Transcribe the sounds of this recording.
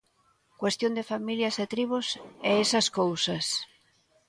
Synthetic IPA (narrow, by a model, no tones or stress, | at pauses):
kwest̪jond̪efamiljɐset̪ɾiβusɛesɐskowsɐs